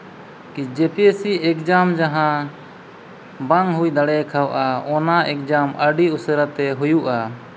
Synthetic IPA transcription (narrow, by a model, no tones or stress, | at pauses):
kid͡ʒɛpiesiɛkd͡ʒamd͡ʒaɦã | baŋɦujd̪aɽɛkʰawʔaɔnaʔɛk̚d͡ʒaməɖiusəɾat̪ɛɦujuʔa